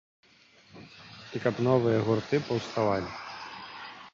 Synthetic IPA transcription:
ikɐpnɔvɨjɐɣurt̪ɨpɐwst̪avalʲi

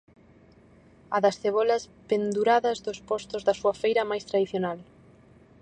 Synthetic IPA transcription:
ɐðɐsθeβ̞ɔlɐspend̪uɾaðɐzðospɔst̪ozðɐsuɐfejɾɐmajst̪ɾaðiθjonal

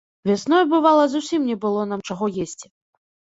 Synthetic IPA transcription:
vʲasnɔjbɨvalˠɐzusʲimnʲɛbɨlˠɔnamt͡ʂaɣɔjesʲt͡sʲ

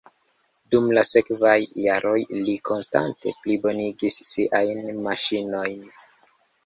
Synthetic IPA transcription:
dumlase̞kvajːaɾo̞jlikʰo̞nsta̰nte̞̰plibo̞niɡisːiʔajnmaʃino̞jn

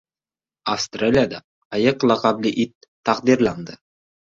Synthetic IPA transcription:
afst̪ralʲijad̪aː | jɤqlˠɑqɑblʲɪʔit̪ʰː | ɑqd̪iɾlˠɑnd̪ə

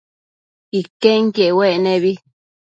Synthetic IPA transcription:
ikeŋkjeʔweʔnẽβi

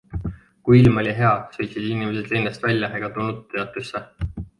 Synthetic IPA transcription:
kujilmo̞lʲiɦe̞ɑsɤjt̪sid̪inimesed̪̥leːnest̪vælʲjɑʔeɡ̥ɑt̪unːut̪ːeɑt̪ːˑusːe

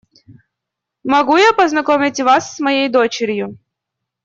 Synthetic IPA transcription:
mɐɡujapəznɐkomʲɪtʲvasːmɐjejd̪o̞t͡ɕɪɾʲjʊ

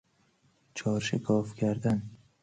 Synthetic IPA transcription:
t͡ʃʰɒɾʃɪkʰɒfkʰʲaɾd̪an

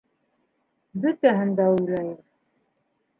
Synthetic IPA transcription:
bɵt̪æɦɘ̆nd̪æʉjlæjɘɾ

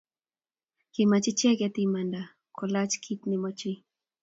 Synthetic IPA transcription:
kimat͡ʃit͡ʃekat̪imand̪a | kʰolat͡ʃkʰit̪nimot͡ʃi

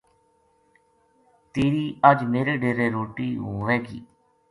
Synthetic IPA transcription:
t̪eːɾiːəd͡ʒmeːɾeːɖeːɾeːɾoːʈiːɦoːʋɛːɡḭː

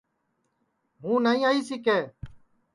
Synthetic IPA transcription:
ɦũːnaːĩːaːiːsiːkeː

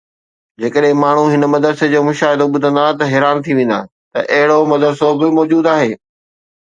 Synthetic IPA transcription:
d͡ʑeːkəɗɦɪ̃maːɳ̤uɦɪnə̆mɐd̪əɾsed͡ʑoːmʊʃaːɦɪd̪oɓʊd̪ʱə̃nd̪aːt̪ɐɦeːɾaːnt̪ʰiʋẽːnd̪a̰ː | t̪ɐ̰ʔɐɦɪɽomɐd̪əɾsobɪmɔːd͡ʑuːd̪aːɦeː

